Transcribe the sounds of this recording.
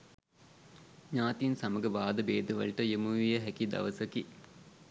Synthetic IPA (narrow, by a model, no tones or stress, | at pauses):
ɲaːt̪insaməɡəʋaːd̪əbeːd̪əʋɐ̰ɭʈəjəmuʋijəɦækid̪ɐ̰ʋəsəki